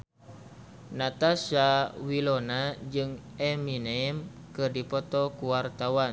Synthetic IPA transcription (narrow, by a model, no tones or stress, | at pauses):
nat̪asawilonad͡ʒɨŋɛminemkɨrdipɔt̪ɔkuwart̪awan